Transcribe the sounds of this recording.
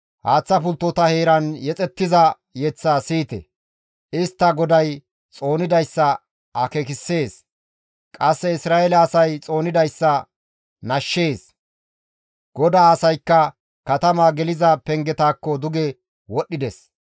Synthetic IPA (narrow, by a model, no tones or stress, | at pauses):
haːt͡sːɐpʊlt̪ːɔt̪ɐhe̞ːɾɐnjɛt͡sʼɛt̪ːɪzɐ | jɛt͡sːasiːt̪ɛ̰ | ɪst̪ːɐɡɔd̪ɐj | t͡sʼo̞ːnɪd̪ɐjsːɐ | ʔɐkekɪsːe̞ːs | kʼɐsːɛɪsɾaːʔɛlɛːsɐjt͡sʼo̞ːnɪd̪ɐjsːɐ | nɐʃːe̞ːs | ɡ̥ɔd̪aːɐsɐjkːɐ | kɐt̪ɐmaːɡɛlɪzɐpɛŋɡɛt̪aːkːɔd̪ʊɡɛ | wɔɗːɪd̪ɛs